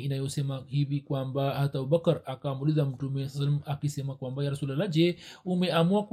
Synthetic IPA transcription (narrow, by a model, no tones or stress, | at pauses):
inajɔsɛmahivikwambaat̪abubakaɾakamulizam̩tumɛslːsalamakisɛmakwambajaɾasulalad͡ʒɛumɛamuak